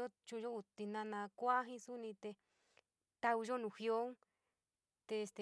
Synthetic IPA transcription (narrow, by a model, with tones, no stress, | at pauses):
o˦t͡ʃũ˧ʒo˦u˧t̪i˧nã˧nã˧kʷa˦ɦĩ˦su˦nĩ˧t̪e˧ | t̪a˧u˧ʒo˦nũ˧˨hjo˦ŋ˦ | t̪e˧st̪e˨